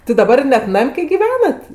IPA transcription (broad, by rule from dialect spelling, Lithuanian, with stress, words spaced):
tʲɪ dɐˈbɐr ˈnʲɛt ˈnɐmʲ kɐɪ ɡʲɪˈʋʲæːnɐt